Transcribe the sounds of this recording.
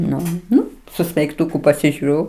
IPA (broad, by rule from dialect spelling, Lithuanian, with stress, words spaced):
ˈnʊ ˈnʊ sʊ sʲmʲɛɪkˈtʊkʊ pɐsʲɪʒʲʊˈrʲʊ